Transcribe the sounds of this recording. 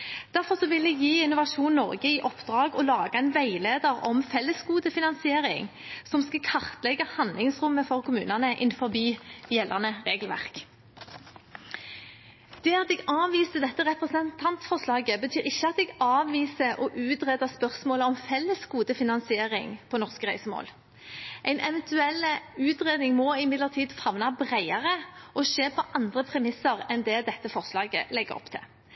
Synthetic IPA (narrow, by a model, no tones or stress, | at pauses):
d̪̥æʁfɔʁsɔʋɪlɛɡjiːɪnʊʋɑʂuːnnːɔ̰ʁɡəɪʔɔpd̪ʁɑːɡɔlɑːɡɑɛnʋæɪleːd̪əʁɔ̰mfɛlːəskuːd̪əfɪnɑnsɪeːʁɪ̰ŋsɔmskɑkʰɑʁt̪lɛɡɑhɑnlɪŋsʁʊmːəfɔʁkʰʊmʉ̰ːnɑnəʔɪ̰nfɔʁbyːjɛlɑ̰ʁnəʁeːɡəlʋæ̰ʁk | d̪̥ɛːɑt̪ɛɡɑːʋiːsəd̪ɛt̪ːəʁɛpʁəsənt̪ʰɑnt̪sfɔʁʂlɑːɡəbət̪ʰyːʁɪçːəɑt̪ɛɡɑːʋʋiːsəʔɔʔʉːt̪ʁeːd̪əspœʁsmoːləɔmfɛlːəsɡuːd̪əfɪnɑnsɪeːʁɪŋpʰɔnɔʁskəʁæɪsəmo̰ːl | ʔæɪnʔɛʋɛnt̪ʰʉɛlːəʉːt̪ʁeːd̪nɪŋmɔɪmɪd̪ləʁt̪ʰiːd̪fɑʋnɑbʁæɪɑʁəʔɔʃeːpʰɔʔɑnd̪ʁəpʰʁɛmɪsəʁɛnd̪ɛːd̪ɛt̪ːəfɔʁslɑːɡə̰lɛɡəɾɔ̰pt̪ʰɪ̰